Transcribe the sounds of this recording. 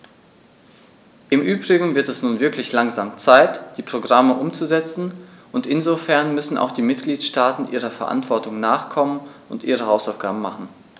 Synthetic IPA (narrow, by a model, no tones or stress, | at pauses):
ʔɪmʔyːbʁɪɡŋ̩vɪɐtɛsnuːnvɪɐklɪçlaŋzaːmt͡saɪtd̥iːpʁ̥oɡʁaməʔʊmt͡suzɛt͡sn̩ʔʊntʔɪnzofɛɐnmʏsn̩ʔa̰ʊxd̥iːmɪt̚ɡ̥liːtʃtaːtn̩ʔiːʁ̞ɐfɛɐʔa̰ntv̥ɔɐtʊŋnaːχkʰɔmənʊntʔiːʁ̞əhaʊsaʊfɡ̥aːbm̩maχn̩